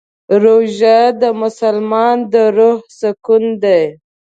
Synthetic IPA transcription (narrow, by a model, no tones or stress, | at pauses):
ɾoʒad̪əmʊsalmɑnd̪əɾohsakund̪aj